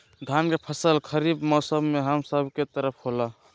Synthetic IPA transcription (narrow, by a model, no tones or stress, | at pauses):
ɡ̪ʱankepʰəsəlkʰəɾibmɔsəbmeɦəmsəbʱket̪əɾəpʰɦola